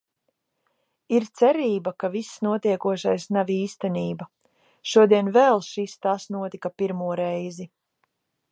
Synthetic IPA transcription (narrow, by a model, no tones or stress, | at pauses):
iɾt̪sɛɾiːbakavisːnuɔt̪iɛkuɔʃajsnaviːst̪ɛniːba | ʃuɔd̪iɛnvɛlˠʃist̪asnuɔt̪ikapiɾmuɔɾɛjzi